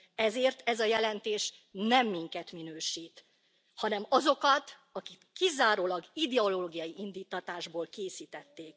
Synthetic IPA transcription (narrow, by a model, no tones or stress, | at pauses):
ɛzeːrt̪ɛzɒjɛlɛnt̪eːʃnɛmːiŋkɛt̪minøːʃiːt̪ | hɒnɛmɒzo̞kɒt̪ | ɒkikːizaːɾoːlɒɡid̪ɛoloːɡijɒjiind̪iːt̪ːɒt̪aːʒboːlkeːsiːt̪ɛt̪ːeːk